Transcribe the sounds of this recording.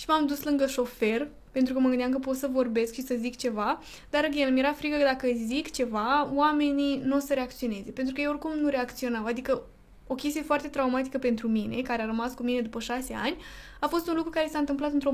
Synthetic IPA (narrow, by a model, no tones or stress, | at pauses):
ʃimamd̪uslɨŋɡəʃo̞fe̞r | pe̞nt̪ɾukəməɡɨnd̪ʲamkəpo̞t̪səvo̞rbe̞skʃisəzikt͡ʃe̞va | d̪̥aɾəɡʲenəmje̞ɾafɾikəkəd̪akəzikt͡ʃe̞vawame̞ninosəɾe̞akt̪sio̞ne̞ze̞pent̪ɾukəjeorkumnuɾe̞akt̪sio̞nawad̪ikə | o̞kʲe̞s̬t̪ije̞foart̪et̪ɾaumat̪i̥kəpe̞nt̪ɾumine̞kaɾeaɾəmaskumine̞d̪upəʃase̞a̰nʲ | afo̞st̪unlukɾukaɾe̞sant̪ɨmplat̪ɨnt̪ɾo